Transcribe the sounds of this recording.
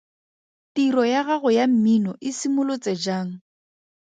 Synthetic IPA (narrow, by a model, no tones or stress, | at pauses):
tiɾɔjaɣaɣʊjam̩minɔʔɪsimʊlʊt͡sed͡ʒaːŋ̩